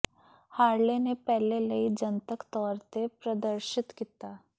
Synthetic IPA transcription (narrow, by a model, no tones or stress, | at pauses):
haːɾlenepɛɦlelɐid͡ʒənt̪əkt̪ɔːɾt̪epɾɐd̪əɾʃɪt̪kit̪aː